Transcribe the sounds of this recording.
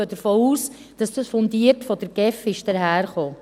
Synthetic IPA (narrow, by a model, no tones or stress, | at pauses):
əd̥əɾfoːuːs | d̥ɑsd̥ɑsfɔndiəɾtfɔdəɾɡ̥ɛfɪʃd̥əɾɦæːɾχoː